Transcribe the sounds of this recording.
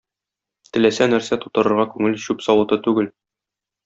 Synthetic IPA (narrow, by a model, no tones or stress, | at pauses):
t̪ɘ̆læsænæɾsæt̪u̥t̪ɤ̆ɾɤ̆ɾʁɑkʉŋɘlɕʉpsɒwɤ̆t̪ɤt̪ʉɡɘl